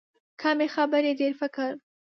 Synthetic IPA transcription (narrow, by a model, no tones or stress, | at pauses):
kʰaːmexabɐɾed̪eɾfɐkəɾ